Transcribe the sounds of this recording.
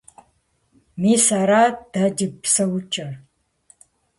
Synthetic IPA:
miːsaɾaːd̥ɐd͡ʒɪpsɐwt͡ʃʼɐ

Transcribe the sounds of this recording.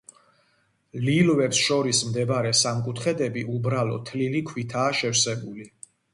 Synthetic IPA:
lilvɛpsʃɔɾismd̪ɛbaɾɛsamkʼut̪ʰχɛd̪ɛbiʔubɾalɔ̰t̪ʰlilikʰwit̪ʰaːʃɛfsɛbuli

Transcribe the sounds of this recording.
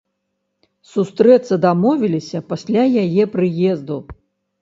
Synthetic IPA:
sust̪ɾɛt̪sɐd̪amɔvʲilʲisʲɐpasʲlʲajajɛpɾɨjɛzd̪u

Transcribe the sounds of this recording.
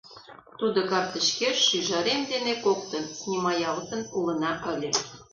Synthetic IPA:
t̪ud̪okɑrt̪ə̆ɕkeʃːyʒɑɾemd̪enekokt̪ɤ̆nnʲimɑjɑləsə̆nulɤ̆nɑʔə̆lʲĕ

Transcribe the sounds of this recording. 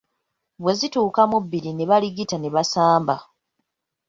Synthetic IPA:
βwe̞zituːkamubːiɾine̞βaliɡitane̞βasaːmba

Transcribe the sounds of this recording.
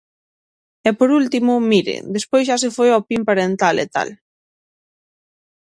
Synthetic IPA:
ɛpoɾult̪imʊmiɾḛd̪espojzʃas̬efojɔpimpaɾent̪alet̪a̰l

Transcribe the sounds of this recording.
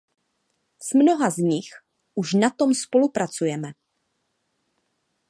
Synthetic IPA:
smno̞ɦazɲɪx | ʔuʃnat̪o̞mspo̞lupɾat͡sujɛmɛ

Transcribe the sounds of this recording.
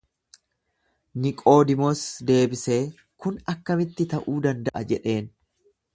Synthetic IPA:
nɪkʼo̞ːd̪ɪmɔsd̪e̞ːbɪse̞ː | kʊnɐkːɐmɪt̪ːɪt̪ɐʔuːd̪ɐnd̪ɐʔɐd͡ʒɛᶑe̞ːn

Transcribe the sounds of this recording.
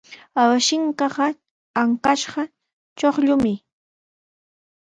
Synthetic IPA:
awaʃɪŋkɑɢɑ | aŋkaʃɢɑ | t͡ʃoχʎʊmɪ

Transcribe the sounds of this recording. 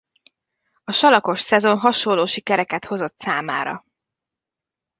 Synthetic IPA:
ɒʃɒlɒko̞ʃsɛzo̞nɦɒʃolːoːʃikɛɾɛkɛt̪ho̞zo̞t̪saːma̰ːɾɒ̰

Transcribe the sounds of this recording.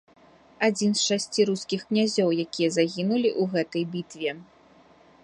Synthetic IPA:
ad͡zʲinsʂasʲt͡sʲiɾuskʲixknʲazʲɔwjakʲijɐzaɣʲinulʲiʔuɣɛt̪ɐjbʲit̪vʲɛ

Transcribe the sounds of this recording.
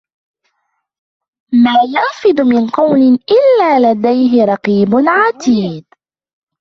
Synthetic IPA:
maːjanfɪd̪ʊmɪnqɑwmɪʔɪlːaːlad̪ajɦɪɾˤɑqiːbʊnʕat̪iːd̪

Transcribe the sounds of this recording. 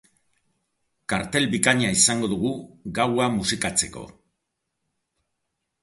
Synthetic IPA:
kaɾt̪e̞lbikaɲaisaŋɡo̞ðuɣ̞uɣawamusikat͡se̞ko̞̰

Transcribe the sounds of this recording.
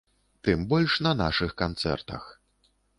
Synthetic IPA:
t̪ɨmbɔlʲʂnɐnaʂɨxkant̪sɛ̰rt̪ɐ̰x

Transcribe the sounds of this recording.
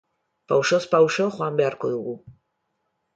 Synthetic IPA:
pawʃo̞spawʃoxwambe̞aɾko̞ðuɣu

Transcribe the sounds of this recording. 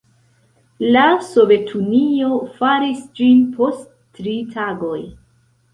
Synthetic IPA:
laso̞ve̞tʰunio̞faɾisd͡ʒinpʰo̞stː | ɾitʰaɡo̞j

